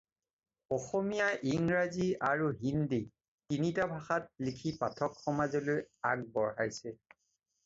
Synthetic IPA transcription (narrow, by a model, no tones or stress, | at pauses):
ɔxɔmijaʔiŋɹaziaɹuɦindi | tinitabʱaxat̚likʰipatʰɔkxɔmazɔlojaɡ̚bɔɹhajsɛ